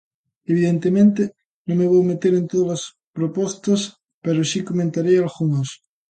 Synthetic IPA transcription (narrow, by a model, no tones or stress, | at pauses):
eβiðent̪emẽnt̪e | nõmeβ̞owmet̪eɾent̪oðalas | pɾopost̪as | peɾosikomẽnt̪aɾealɣuŋos